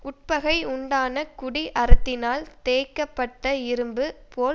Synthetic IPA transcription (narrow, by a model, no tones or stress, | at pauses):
ʔʊʈ̚pɐɣɐɪʊɳɖaːnɐkʊɽiʔɐɾɯt̪ːɪnaːlt̪eːkːɐpːɐʈːɐɪɾɯmbɯpoː